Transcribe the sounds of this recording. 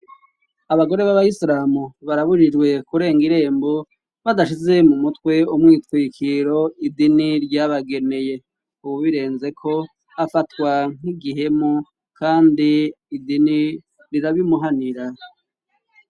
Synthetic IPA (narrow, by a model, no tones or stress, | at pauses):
aβaɡo̞ɾe̞βaβaisɾaːmuβaɾaβuɾid͡ʒɡwe̞kuɾe̞ːŋɡiɾe̞ːmbo̞ | βadaʃ̬ize̞mumutwe̞umŋiːtwiːkʰiɾo̞idiniɾɟaβaɡe̞ne̞je̞ | uβuβiɾe̞ːnze̞kʰo̞ | afatwaŋ̥iɡiɦe̞mo | kʰaːndiː | dini | ɾiɾaβimuɦaniɾa